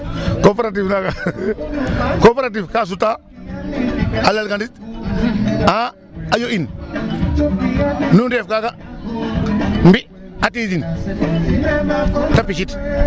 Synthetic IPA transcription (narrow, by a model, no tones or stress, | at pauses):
kopeɾat̬ivnaka | kopeɾat̬ifkaːs̬uta | alalɡandit̚ | a | ajoin | nundefkaka | mbi | atid͡ʒin | tapiʃit